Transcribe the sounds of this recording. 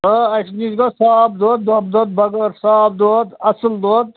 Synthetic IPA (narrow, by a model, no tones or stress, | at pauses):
əɐʂnizɡɐsaːb̚d̪oːt̪̚d̪ob̚d̪ot̪̚bɐɡɐɾsaːb̚d̪oːt̪ɐsəld̪oːt̪̚